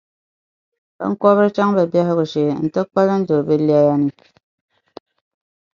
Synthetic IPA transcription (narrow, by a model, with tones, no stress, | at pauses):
bə̰˦ŋ̩˦kɔ˦βə˦t͡ʃa˦ŋbə˨bja˦ɦɣu˨ʃe˨˦n̩˨tə˦k͡pa˦lə˦n̩˦do˨bi˦li˦a˦ja˦ni˦